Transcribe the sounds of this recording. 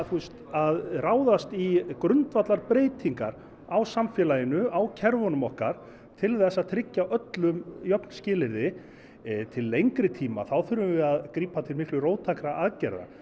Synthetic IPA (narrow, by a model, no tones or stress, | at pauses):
θust̪aðraːwðast̪ikɾʏnt̪vat̪laɾpɾeːjt̪ʰiŋka̰ɾ | awsamfjɛlajɪnʏawcʰɛɾvɔnʏmɔhkaɾ̥ | t̪ʰɪlθɛsːaðt̪ʰɾɪcːaʔœt̪lʏmjœpnscɪːlɪɾðɪ | t̪ʰɪlːejŋkɾɪt̪ʰiːma̰θawθʏɾvʏvɪaðkɾiːpat̪ʰɪlmɪhklʏroːwt̪ʰakɾaaðcɛɾða̰